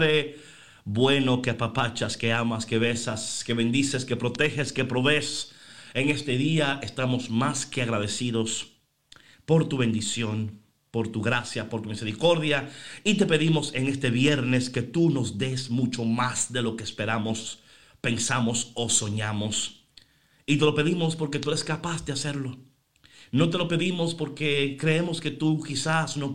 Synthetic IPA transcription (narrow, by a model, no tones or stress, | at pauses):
e | bwe̞no̞keapapat͡ʃaske̞amaskeβesaske̞βe̞nd̪iseske̞pɾo̞t̪e̞xeske̞pɾo̞βe̞seŋe̞st̪e̞ðiaest̪amo̞zmaske̞aɣɾaðe̞siðo̞s | po̞ɾt̪uβe̞nd̪isjo̞n | po̞ɾt̪uɣɾasjapoɾt̪umise̞ɾiko̞ɾðjait̪e̞pe̞ðimo̞se̞ŋe̞st̪e̞βje̞ɾne̞ske̞t̪uno̞zd̪e̞smut͡ʃo̞masd̪e̞lo̞keːspe̞ɾamo̞s | pe̞nsamo̞so̞so̞ɲamos | it̪e̞lo̞pe̞ðimo̞spo̞ɾke̞t̪ue̞ɾe̞skapasd̪ease̞ɾlo̞ | no̞t̪̬e̞lo̞pe̞ðimo̞spo̞ɾkekɾe̞emo̞ske̞t̪ukisasno